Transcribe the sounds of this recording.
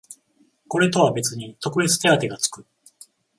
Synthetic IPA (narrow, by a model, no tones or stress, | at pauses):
ko̞ɾe̞t̪o̞βabe̞t͡sɨɲ̟it̪o̞kɯ̟be̞t͡sɨ̥t̪e̞at̪e̞ɡat͡sɨ̥kɯ̟